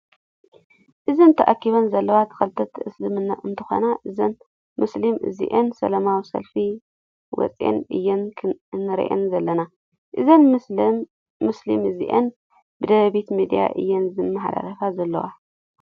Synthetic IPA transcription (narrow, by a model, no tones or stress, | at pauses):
ʔɨzint̪ʰɐʔakːiβɐnzɐlːɐwat̪ʰɐ̥xɐlɨt̪ʰɐt̪ʰɨʔɨslɨmɨnːa̰ʔɨnt̪ʰɨxo̰naʔɨzɐn | mɨslimʔɨ̰zḭʔensɐ̰lɐmawisɐ̰lfi | wɔ̰t͡sʼḛnʔɨ̰jːɛnʰnːɨɾḭʔḛnzɐlːɐna | ʔɨzɐn | ɨslḭmɨzḭʔen | bɨd̪ɐβɐβit̪mid̪ija̰ʔɨ̰jːɛnzɨnmaħd̪a̰ɾɐfazɐlːɐ̰wa